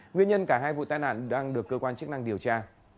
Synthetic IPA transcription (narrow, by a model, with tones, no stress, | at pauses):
ŋwi˧ənɲə˧nkaː˧˩ɦaː˧jvṵ˧˨t̪aː˧jna̰ː˧˨nɗaː˧ŋɗɨ˨˩əkːəː˧kwaː˧nt͡ɕɨ˦˥k̚na˧ŋɗi˨˩əwt͡ɕaː˧